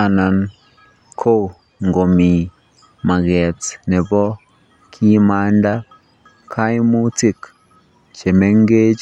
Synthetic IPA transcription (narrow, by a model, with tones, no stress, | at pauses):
a˨na˨n | kʰo˦ | ŋɡo˨mi˨ | ma˨ɡɛ˨tnɛ˨bɔ˦ | kʰi˦ma˦nda˦ | kʰa˦jmu˦ti˦k | t͡ʃe˨me˦ŋɡe˦t͡ʃ